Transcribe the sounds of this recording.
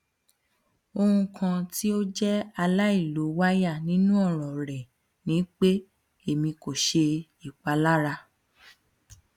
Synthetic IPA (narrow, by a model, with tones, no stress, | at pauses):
o˧hũ˧kʰã˧ti˦o˦d͡ʒɛ˦a˧la˦i˦˨lo˨˦wa˦ja˦˨nĩ˨˦nũ˦ɔ˦˨ɾ̃ɔ̃˨ɾɛ˨ | nĩ˨˦k͡pe˦ | e˨mĩ˧ko˨ʃe˧ | i˨k͡pa˨˧la˦ɾa˧